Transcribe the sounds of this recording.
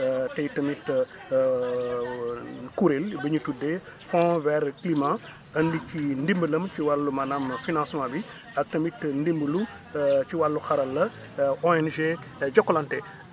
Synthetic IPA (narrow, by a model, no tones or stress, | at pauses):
tɛjtɐmit | kuɾelbəɲutude | fɔ̃vɛɾklimã | əndikindimbələmciwalːumɐnamfinãnsmãbi | ɐk̚tɐmitndimbəlu | ciwalːuxɐɾɐlːɐ | ɔɛnʒe | ɟɔkːɔlɐntɛ